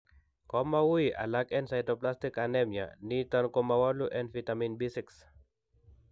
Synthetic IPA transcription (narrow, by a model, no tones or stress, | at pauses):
kɔmawuiʔa̰lakɛnsajdɔplast̪ikanɛmja̰nit̪ɔnkɔmawɔluʔɛndfit̪aminbisiks